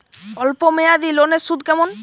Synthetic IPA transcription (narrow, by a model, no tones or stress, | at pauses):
ɔlpomejad̪ilonesud̪kɛmon